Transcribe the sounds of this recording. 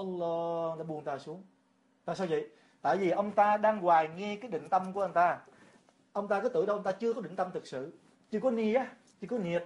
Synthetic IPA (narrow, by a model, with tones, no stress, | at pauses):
ʔɔ˧lːɔ˧t̪aː˧ɓu˨˩ənt̪aː˧˩su˨˦əŋ | t̪a̰ː˧˨jsaː˧wvə̰˧˨j | t̪a̰ː˧˨jvi˨˩ʔə˧wŋ͡mt̪aː˧ɗaː˧ŋɣwaː˨˩jŋɛ˧kaː˨˦jɗḭ̈˧˨ŋ̟t̪ə˧mku˧˩əʔə˧wŋ͡mt̪aː˧ | ʔə˧wŋ͡mt̪aː˧kɔ˨˦t̪ɨ˧˩˦ɗə˧wʔə˧wŋ͡mt̪aː˧t͡ɕɨ˧əkɔ˨˦ɗï˧˨ŋ̟t̪ə˧mt̪ʰɨ˨˩k̚sɨ̰˧˨ | t͡ɕɨ˧əkɔ˨˦ni˧ʔaː˨˦ | t͡ɕɨ˧kɔ˨˦ni˨˩ət̚